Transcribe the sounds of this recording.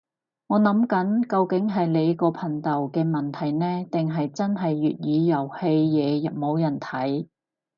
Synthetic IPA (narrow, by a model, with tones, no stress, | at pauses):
ŋɔː˨˧nɐ˨˥mkɐ˨˥nkɐ˧wkɪ˨˥ŋɦɐ˨jle˨˧jkɔː˧pʰɐ˨˩nt̪ɐ˨˩wkɛː˧mɐ˨˩nt̪ʰɐ˨˩jnɛː˥t̪ɪ˨ŋɦɐ˨jt͡sɐ˥nɦɐ˨jːy̰ː˨t̚jiː˨˧jɐ˨˩whe˧jjɛː˨˧jɐ˨p̚mo˨˧wjɐ˨˩nt̪ʰɐ˨˥j